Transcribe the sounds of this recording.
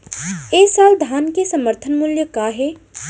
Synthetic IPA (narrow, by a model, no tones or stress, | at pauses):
eːsaːld̪ʱaːnkesɐməɾt̪ʰənmʊljəkaːɦeː